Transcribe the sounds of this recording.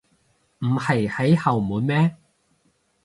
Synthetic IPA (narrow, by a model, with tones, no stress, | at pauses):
m̩˨˩hɐ˨˩jhɐ˨˥jhɐ˨˩wmuː˨˧nmɛː˥